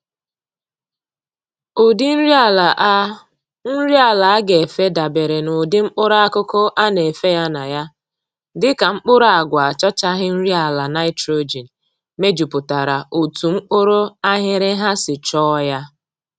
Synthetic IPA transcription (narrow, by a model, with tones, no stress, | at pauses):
ʊ˨dɪ˦n̩˦ɾi˦a˦˨la˨ʔ | n̩˦ɾi˦a˨la˨a˦ɡe˨fe˦da˨be˨ɾe˨nʊ˨dɪ˦ŋ͡m̩˦k͡pʊ˦ɾa˦a˦kʊ˦kʊ˦ʔa˦ne˨fe˦ja˦na˨ja˦ | dɪ˦ka˨ŋ͡m̩˦k͡pʊ˦ɾa˨ɡʷa˨t͡ʃɔ˦t͡ʃa˦ɦɪ˦n̩˦ɾi˦a˨la˨na˦ɪ˦tɾo˦d͡ʒi˨n̩˨ | me˦d͡ʒu˨pʊ˨ta˨ɾa˨ʔo˨tu˨ŋ͡m̩˦k͡pʊ˦ɾʊ˦a˦ɦɪ˦ɾɪ˦ɦa˦sɪ˨t͡ʃɔː˦ja˦